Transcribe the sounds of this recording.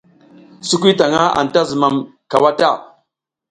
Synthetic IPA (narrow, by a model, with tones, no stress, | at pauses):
su˦k̬ʷi˦ta˨ŋa˦a̰˨n˨ta˦zu˨ma˨mka˨wa˦ta˦˨